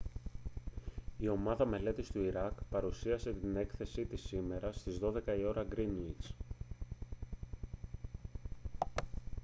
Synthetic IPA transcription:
io̞mɐðɐme̞le̞t̪ist̪uiɾɐkpɐɾusiɐse̞t̪ine̞kθe̞sit̪isime̞ɾɐst̪izðo̞ðe̞kɐio̞ɾɐɡɾinuis

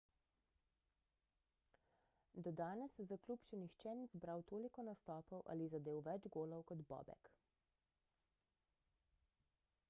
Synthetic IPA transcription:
d̪ɔd̪aːnɛszakluːpʃɛnixt͡ʃɛnizbɾawt̪oːlikɔnast̪ɔːpɔwʔa̰lizad̪eːwʋɛd͡ʒɡoːlɔwkɔd̪bɔ̰ːbɛ̰k

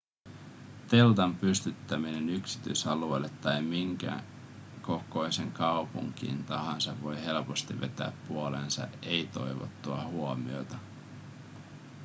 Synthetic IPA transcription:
t̪e̞lt̪ɑmpyst̪yt̪ːæmine̞nyksi̥t̪yjsɑluejlːet̪ːɑjmiŋkæ̰ | ko̞ko̞jse̞ŋkɑupṵŋk̟ḭːnt̪ɑɦɑnsɑʋʋo̞jɦe̞lpo̞st̪iʋe̞̰t̪æ̰ːpːuole̞̰nsɑ̰ʔe̞jt̪o̞̰jʋo̰t̪ːuɑhuomio̞̰t̪ɑ

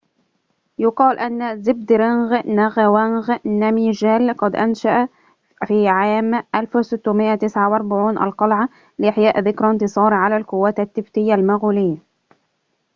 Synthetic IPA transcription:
jʊqɑːlʔanːazɪb̚d̪ɾɪnɣnaɣawanɣnæmiːʒæːlqɑd̪ʔanʃaʔa | fiːʕaːmʔalfsɪt̪ːumɪʔːat̪ɪsʕawʔɑɾˤbaʕuːnʔa̰lqɑlʕa | lɪʔɪħjaːʔðɪkɾˤɑnt̪ɨsˤɑːɾʕalaːlqʊwːaːt̪at̪ːɪft̪ɪjːalmaɣuːlɪjːa

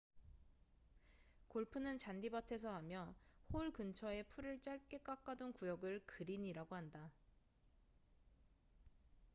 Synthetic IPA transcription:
koɭpʰɯnɯnt͡ɕandibatʰe̞sʰʌɦamjʌhoɭkɯnt͡ɕʰʌe̞pʰuɾɯɭt͡ɕ͈aɭk͈e̞k͈ak͈adonkujʌɡɯɭkɯɾiɲiɾaɡoɦanda

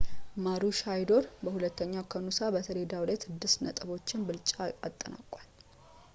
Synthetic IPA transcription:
maɾuʃajd̪o̞ɾbəhulət̪ʰːəɲːakʰənusabət̪ʰəɾe̞d̪awlajsɨd̪ːɨsnə̰t̪ʼɨbo̞t͡ʃːɪnbɨlt͡ʃʼaat̪ʼːəna̰kʼːal

